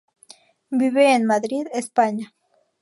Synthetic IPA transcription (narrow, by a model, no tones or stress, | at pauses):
biβeːnmaðɾiðespaɲa